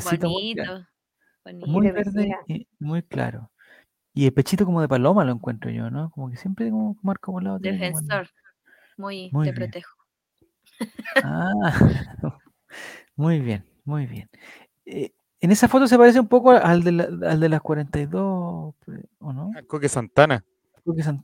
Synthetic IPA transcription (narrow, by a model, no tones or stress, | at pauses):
esit̪omu | onimmujβeɾðeimujkla̰ɾo | ielpet͡ʃit̪okomoðepalomalo̞eŋkwent̪ɾo̰ʝo̰nokomokesje̞mpɾekomokmaɾkopolaot̪jenekonnoɾ | mujmujβpjɾont̪exo̥ | a | mujβjen | mujβjen | e | enesafo̞t̪os̬epaɾe̞s̬eumpo̞koaʔald̪elaald̪elaskwaɾe̞nt̪ajðo | onoaŋkokesant̪ana | kokes̬an